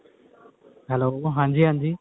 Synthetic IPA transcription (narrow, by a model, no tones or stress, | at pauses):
ɦɛloːɦãːɲd͡ʑiːɦãːɲd͡ʑiː